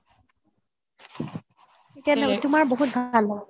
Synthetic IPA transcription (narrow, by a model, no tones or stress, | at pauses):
etianatʊmaɹboɦut̚bʱalːa